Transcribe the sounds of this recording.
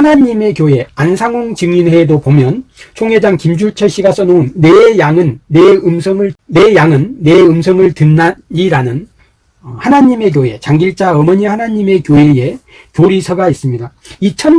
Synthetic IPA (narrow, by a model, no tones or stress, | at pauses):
hanaɲime̞kjoe̞ansʰaŋoŋt͡ɕɯŋinhe̞dopomjʌnt͡ɕʰoŋɦed͡ʑaŋkimd͡ʑuɭt͡ɕʰʌɕ͈iɡas͈ʌnounːe̞ːjaŋɯnːeɯmsʰʌŋɯɭːe̞jaŋɯnːe̞ɯmsʰʌŋɯɭtɯnːaɲiɾanɯn | hanaɲime̞k̬joe̞t͡ɕaŋɡiɭt͡ɕ͈aʌmʌɲihanaɲime̞kjoeje̞ | kjoɾisʰʌɡais͈ɯmɲida | it͡ɕʰʌn